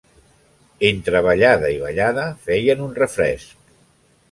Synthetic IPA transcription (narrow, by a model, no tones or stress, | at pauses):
ent̪ɾəβəʎaðəiβəʎaðəfɛjənunrəfɾɛ̰sk